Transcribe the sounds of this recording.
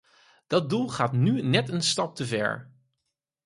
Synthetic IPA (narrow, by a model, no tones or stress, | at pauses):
d̥ɑt̚dulˠχaːtnynɛtənstɑp̚təvɛ̰ɹ